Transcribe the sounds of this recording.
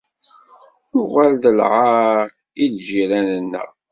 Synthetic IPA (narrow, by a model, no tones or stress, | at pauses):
ʊʁælðəlʕa | ilʒiɾænənːə̰